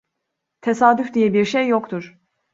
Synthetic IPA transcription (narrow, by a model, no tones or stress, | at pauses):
t̪ʰesaːd̪yfd̪ijɛbiɾʃejːokt̪ʰuɾ̥